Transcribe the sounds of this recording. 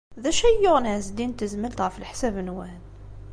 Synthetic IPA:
ðæʃæjːʊʁnʕæzd̪int̪əzməlt̪ʁfəlħsæbənwæn

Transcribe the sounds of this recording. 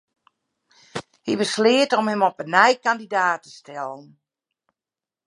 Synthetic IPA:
hibəslɪətɔmhəmɔpənɛjkandidaːtə̥stʰɛlˠən

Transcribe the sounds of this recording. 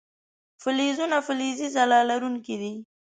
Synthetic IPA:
fɪlizunafʊlizizalɑlaɾuŋkid̪i

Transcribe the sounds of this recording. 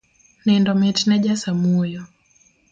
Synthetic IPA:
nɛndɔmɛtnɛʄasamujɔ

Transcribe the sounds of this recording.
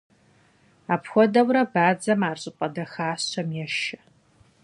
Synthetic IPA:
aːpxʷɔdɐwrɐbaːd͡zɐmaːɕʼɪpʼɐdɐxaːsɕɐmjɛʃɐ̥

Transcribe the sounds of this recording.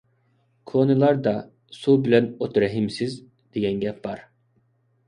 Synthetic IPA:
kʰonɯlˠɑɾd̪ɑ | subilʲænot̪ɾɛɦimsiz | d̪̥ejɛnɟɛpvɑɾ

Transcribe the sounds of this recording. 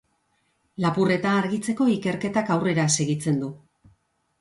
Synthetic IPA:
lapure̞t̪aːɾɣit͡se̞ko̞ike̞ɾke̞t̪akawre̞ɾase̞ɣit͡se̞nd̪u

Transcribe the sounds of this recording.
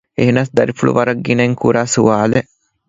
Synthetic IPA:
eɦenɐsd̪ɐɾifuɭṵʋɐɾɐɡːinɐŋkuɾaːsuʋaːle

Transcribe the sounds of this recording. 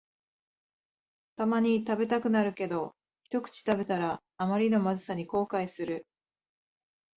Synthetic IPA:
t̪amaɲ̟it̪abe̞t̪akɯ̟naɾɯ̟ke̞d̪o̞ | çʲi̥t̪o̞kɯ̟̥t͡ɕi̥t̪abe̞t̪aɾaː | maɾʲino̞mazɨsaɲ̟iko̞ːkaisɨɾɯ̟

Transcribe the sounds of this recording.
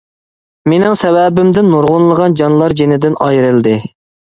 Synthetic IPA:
menɪŋsɛwɛbɪmd̪ɪnːoɾʁʊnlˠəʁɑnd͡ʒɑnlˠɑɾd͡ʒenɪd̪ɪnɑjɾɨlˠd̪ɪ

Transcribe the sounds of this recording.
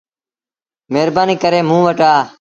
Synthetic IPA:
meːɾbaːniːkəɾeːmũːʋəʈaː

